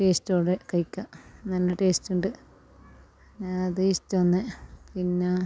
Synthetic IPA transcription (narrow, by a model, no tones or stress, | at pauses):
ʈeːstoːɽekɐjkʲːɐnɐlːɐʈeːstuɳɖɨ | ɐðestːɨʋɐnːepinːe